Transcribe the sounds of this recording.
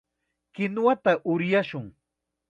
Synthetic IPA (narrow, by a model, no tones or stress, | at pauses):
kɪnwat̪aʔʊɾjaʃʊŋ